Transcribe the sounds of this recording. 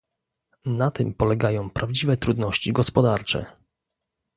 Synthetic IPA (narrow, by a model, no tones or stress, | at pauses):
nat̪ɘmpɔlɛɡajɔ̃w̃pɾʔavd͡ʑivɛt̪ɾud̪nɔɕt͡ɕiɡɔspɔd̪aɾt͡ʂɛ̰